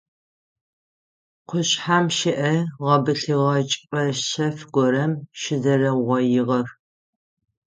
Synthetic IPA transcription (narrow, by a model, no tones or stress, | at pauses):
qʷʰʊɕħaːmʃɪʔɐʁɐbɨɬiʁɐt͡ʃʼpʼɐɕɐfɡʷɔɾɐmʃɪzɐɾɐʁʷɐjɪʁɐr